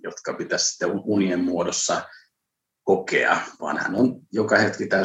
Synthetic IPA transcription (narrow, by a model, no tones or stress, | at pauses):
jot̪kɑpit̪æssi̥t̪ːeuuniemmuodosːɑ | kokḛɑ̰ʋɑ̰nhæ̰nonjokɑhet̪kit̪æy